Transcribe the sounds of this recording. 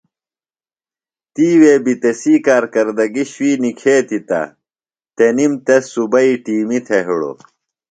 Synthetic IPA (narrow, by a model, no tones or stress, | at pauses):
t̪iːweːbit̪esiːkaːɾkɐɾd̪ɐɡiɕwiːnikʰeːt̪it̪ɐ̰ | t̪enimt̪esubɐiʈiːmit̪ʰeɦiɽo̰